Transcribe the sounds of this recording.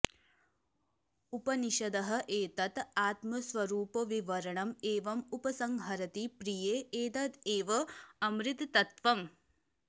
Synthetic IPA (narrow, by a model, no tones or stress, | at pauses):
upɐniʃɐd̪ɐɦɐ̆ʔeːt̪ɐt̪aːt̪mɐsʋɐɾuːpɐʋiʋɐɾɐɳɐmeːʋɐmupɐsɐŋɦɐɾɐt̪ipɾijeːeːt̪ɐt̪eːʋɐɐmɾit̪ːɐt̪ʋɐm